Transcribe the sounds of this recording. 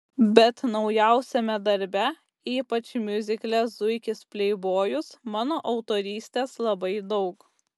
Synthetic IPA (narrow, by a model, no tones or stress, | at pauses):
bʲɛt̪nɒʊjɛˑʊsʲɛmʲɛd̪ɐɾʲbʲɛ | iːpɐt͡ʃmʲʊzʲɪklʲɛszʊɪkʲɪspʲlʲɛɪboːjʊsmɑːnoːʔɐʊt̪oːɾʲiːsʲt̪ʲeːslˠɐbɐɪd̪ɒʊk